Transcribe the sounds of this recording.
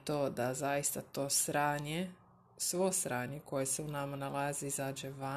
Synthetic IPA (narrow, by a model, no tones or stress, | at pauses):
t̪oːd̪azajist̪at̪o̞ːsɾaːɲe | sʋosɾaːɲeko̞je̞seunamanalˠazeizaːd͡ʒeʋa